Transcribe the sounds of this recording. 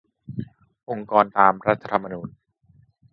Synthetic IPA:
ʔo˧ŋkɔː˧nt̪aː˧mɾa˦˥t̪ʰːa˧t̪ʰa˧mːa˧nuː˨˧n

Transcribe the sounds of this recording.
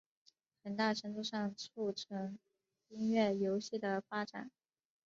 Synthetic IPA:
xə˨˩nt̪a˥˩ʈ͡ʂʰɤ˧˥ŋʈ͡ʂ̪u˥˧ʂɑ˥˧ŋt͡sʰu˥˩ʈ͡ʂʰɤ˧˥ŋ | i˥ŋɥɛ˥˩jo˧˥ʊɕi˥˩d̪ə˩fa˥ʈ͡ʂa̰˨˩˦n

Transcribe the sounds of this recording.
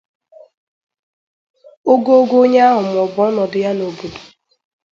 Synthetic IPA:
o˦ɡo˦o˦ɡo˦o˦ɲe˦a˦ɦʊ˨mʊ˨ɔ˨bɔ˨˦nɔ˨dɪ˨ja˦no˨bo˨du̥˨

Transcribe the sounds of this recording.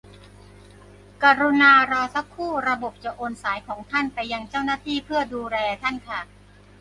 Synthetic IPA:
ka˧ɾu˧naː˧ɾaː˧sa˦˥kʰːuː˥˩ɾa˧bo˨˩p̚t͡ɕa˨˩ʔoː˧nsaː˩˦jkʰɔː˩˦ŋt̪ʰa˥˩npa˧jːa˧ŋt͡ɕaː˥˩wnaː˥˩t̪ʰiː˥˩pʰɯ˥˩ɐduː˧ɾɛː˧t̪ʰa˥˩nkʰa˥˩

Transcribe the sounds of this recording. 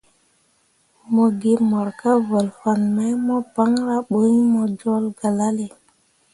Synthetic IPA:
mo˨ɡi˦mo˨ɾka˦vo˨lfa˨nma˦jmo˦pa˦ŋɾa˦ɓo˦ɲ˦mo˨d͡ʒo˦lɡa˨la˦le˨

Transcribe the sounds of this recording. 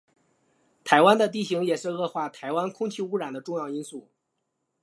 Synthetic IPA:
t̪ʰa˧˥ɪwa˥nd̪ə˨t̪̬i˥˩ɕi˧˥ŋjɛ˨˩ʂɻ̩˥˧ɤ˥˧xwa˥˩t̪ʰa˧˥ɪwa˥nkʰʊ˥ŋt͡ɕʰi˥˧u˥ɻa˨˩nd̪ə˦ʈ͡ʂʊ˥˧ŋjɑ˥˩˧ʊi˥nsu˥˩

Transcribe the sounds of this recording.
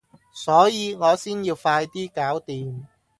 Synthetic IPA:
sɔː˨˥jiː˨˧ŋɔː˨˧siː˥njiː˧wfaː˧jt̪iː˥kaː˨˥wt̪iː˨m

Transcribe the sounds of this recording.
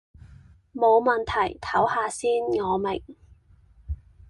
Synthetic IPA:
mo˨˧wmɐ˨nt̪ʰɐ˨˩jt̪ʰɐ˨˥whaː˧siː˥nŋɔː˨˧mɪ˨˩ŋ

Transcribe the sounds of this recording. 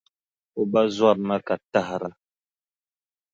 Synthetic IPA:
o˨ba˦zwa˦˨p̚ma˦ka˨ta˦hɾa˨

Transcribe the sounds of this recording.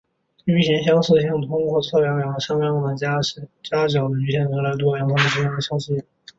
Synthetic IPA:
y˧˥ɕjɛ˧˥nɕjɑ˥ŋʂ̩˥˧ɕjɑ˥˩ŋt̪ʰʊ˥ŋxwɔ˥˩t͡sʰɤ˥˩pjɑ˧˥jɑ˨˩ə˧ʂɑ˥ŋmjɑ˧˥ŋɑ˨˩d̪ə˩t͡ɕja˥ʂ̩˨˩t͡ɕja˥ʈ͡ʂjɑ˨˩ʊd̪ə˦y˧˥ɕjɛ˧˩nwe˧˥ɪla˧˥ɪt̪̬wɔ˥jɑ˧˥ŋt̪ʰʊ˥ŋə˧˩ʈ͡ʂ̩˥jɑ˥˩ŋə˧˩ɕjɑ˥ŋɕi˥˩

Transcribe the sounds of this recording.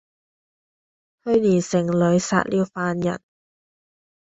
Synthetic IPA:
hɵ˧ɥliː˨˩nsɪ˨˩ŋlɵ˨˧˥ɥsa̰ː˧t̚liː˧wfaː˧njɐ̰˨˩n

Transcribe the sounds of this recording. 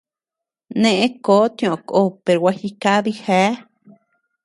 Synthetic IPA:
nẽ˧ʔẽ˦koː˨˦t̪i˧õ˨ko˦pe˨ɾwʷa˧xi˧ka˦ði˧he˨˦

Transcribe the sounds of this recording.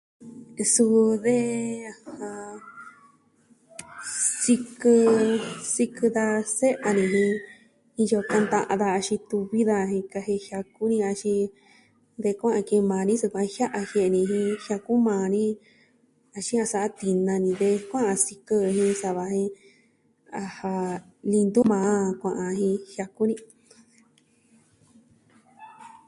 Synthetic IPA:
su˧ðe˦˧hã˧ | si˧kɨ˧si˧kɨ˧ða˧se˦ʔa˧nĩ˧ɦĩ˧ | ĩ˧jo˧ka˧nd̪ã˧ʔã̰˧ðaː˧ʃĩ˧t̪u˧βi˦ða˧hĩ˧ka˧ɦe˧hja˧ku˦nĩ˧a˧ʃĩ˧ | d̪e˧kʷã˦ʔã˧ki˧mãː˨˧nĩ˦su˧kʷã˧hja˦ʔa˧hje˧ʔnĩ˧ɦĩ˧hja˧ku˦mãː˧nĩ˦ | a˧ʃĩ˦ã˧sa˧ʔt̪i˧nã˧nĩ˧ðe˧kʷã˦ʔã˧si˧kə˦˧hĩ˧sa˧βa˧hĩ˧ | a˧ha˧ | lĩ˧nd̪u˦mãː˧˦˧kʷã˧ʔã˧ɦĩ˧hja˧ku˦nĩ˧

